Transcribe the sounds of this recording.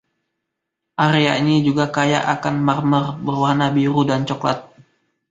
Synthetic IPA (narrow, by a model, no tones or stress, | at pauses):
ʔaɾeaiɲid͡ʒuɡakaja̰ʔakanmarmərbərwahnabiɾudant͡ʃɔkla̰t̪̚